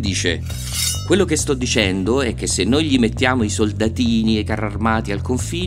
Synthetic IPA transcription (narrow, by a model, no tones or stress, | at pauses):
d̪iːt͡ʃḛ | kwelːok̟est̪ɔd̪ːit͡ʃɛnd̪oɛk̟ːesːenːojʎimet̪ːjaːmoisold̪at̪iːniekːararmaːt̪ialkoɱfiː